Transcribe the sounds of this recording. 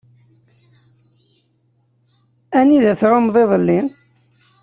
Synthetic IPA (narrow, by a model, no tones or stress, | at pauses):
æniðæθɾomðˤeðˤəlːin